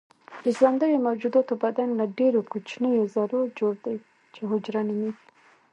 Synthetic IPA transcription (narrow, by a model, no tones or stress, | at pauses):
d̪əzɑnd̪əɾomawd͡ʒud̪ɑt̪obad̪anlaɖeɾokot͡ʃnəjozaɾod͡ʒoɽd̪aj | t͡ʃeɦʊd͡ʒɾaniwi